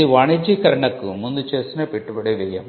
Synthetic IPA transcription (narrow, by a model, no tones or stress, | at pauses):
iʋaːɳid͡ʒikɐɾɐɳɐkːɯ̰mund̪ut͡ʃeːsinɐpɛʈːupɐɽɐʋɛjɐm